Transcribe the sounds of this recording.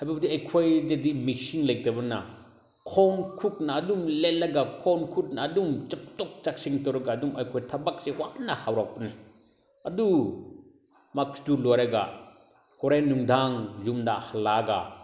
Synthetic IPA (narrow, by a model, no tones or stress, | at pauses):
hajbabdiajkʰojdedimisiŋlajk̚dɐbɐnɐ | kʰɔnkʰuk̚nɐːdumlelːɐɡakʰɔnkʰut̚naːdumt͡ʃɐp̚tɔk̚t͡ʃak̚siŋtɔwɾɐɡaːdumajkʰojtʰɐbak̚sewanɐhawɾak̚pɐni | ɐdu | mak̚sdulɔjɾaɡa̰ | hʰɔɾajnuŋdaŋzumdahɐlaɡa̰